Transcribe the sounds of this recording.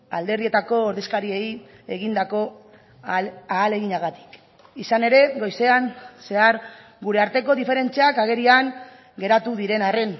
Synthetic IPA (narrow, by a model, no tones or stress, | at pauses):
a̰ld̪e̞ɾðie̞t̪ako̞ːɾðeskaɾie̞j | e̞ɣind̪ako̞ | aːle̞ɣiɲaɣat̪i̥k | isane̞ɾe̞ɣo̞jse̞anse̞aɾ | ɡuɾe̞aɾt̪e̞ko̞ðife̞ɾe̞nt͡seakaɣ̞e̞ɾiaŋ | ɡe̞ɾat̪uðiɾe̞nare̞n